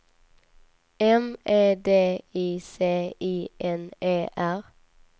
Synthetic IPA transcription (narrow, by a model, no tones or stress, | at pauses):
ɛmeːd̪eːiːseːiːʔɛneːʔæʁ